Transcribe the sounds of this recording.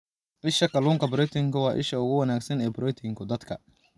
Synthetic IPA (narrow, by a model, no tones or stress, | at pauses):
ʔɪʃɐkɐluːŋkɐbɾɛt̪ʰɪŋkʰʊwɑːʔɪ̰ʃɐʊɣʊwɐnaːɡsɐnɛːbɾɛt̪ʰɪŋkʰʊd̪ɐd̪kʰɐ